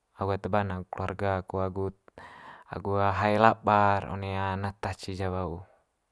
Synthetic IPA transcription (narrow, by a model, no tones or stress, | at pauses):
aɡuat̪əbanaɡukluarɡaːkuaɡut̪̚a̰ɡuaɦaɛlaparɔ̰nɛanat̪at͡ʃid͡ʒaβau